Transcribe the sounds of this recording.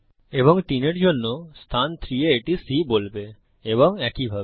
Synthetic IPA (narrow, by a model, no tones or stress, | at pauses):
ebɔŋʈ̪ineʈd͡ʑonːost̪ʰant̪ʰɾieeʈisibolbe | ebɔŋɛkibʱae